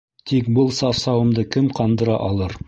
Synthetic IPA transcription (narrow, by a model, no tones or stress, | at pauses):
t̪ʰikbɤlˠsɑfsɑwɤ̆md̪ɤkɘmqɑnd̪ɤ̆ɾɑ̰ʔɑlˠɤɾ